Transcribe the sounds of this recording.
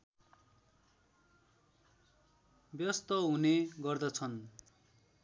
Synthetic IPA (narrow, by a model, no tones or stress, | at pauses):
bjʌst̪ʌɦuneɡʌrd̪ʌt͡sʰʌn